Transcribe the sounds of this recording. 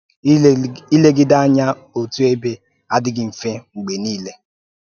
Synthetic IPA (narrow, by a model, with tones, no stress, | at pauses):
i˦le˦ɡɪ˦da˦a˦ɲa˦ | o˨tu˦e˦be˦ | a˦dɪ˦ɡɪ˨m̩˨fe˦ŋ͡m̩˨ɡ͡be˨niː˦le˦